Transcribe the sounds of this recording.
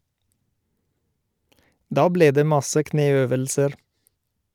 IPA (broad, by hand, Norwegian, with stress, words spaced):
ˈdɑː ˈbleː ˈdeː ˈmɑsə ˈkneːˌøːʋəlsəɾ